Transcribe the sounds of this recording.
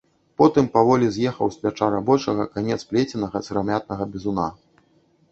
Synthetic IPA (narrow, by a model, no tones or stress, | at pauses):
pɔt̪ɨmpavɔlʲizʲjɛxɐwsʲpʲat͡ʂaɾabɔt͡ʂɐɣɐkanʲɛt̪splʲɛt͡sʲɛnɐɣɐt̪sɨɾamʲat̪̚nɐɣɐbʲɛzuna